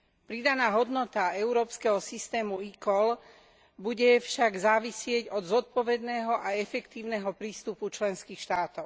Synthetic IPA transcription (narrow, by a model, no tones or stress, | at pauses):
pɾid̪anaːɦɔd̪nɔt̪aɛʊɾɔːpskɛɦɔsist̪ɛːmuikɔl | buɟɛfʃaɡzaːʋisɪɛɟɔd̪zɔt̪̚pɔʋɛd̪nɛːɦɔʔaɛfɛkt̪iːʊnɛɦɔpɾiːst̪uput͡ʃlɛnskiːxʃt̪aːt̪ɔʊ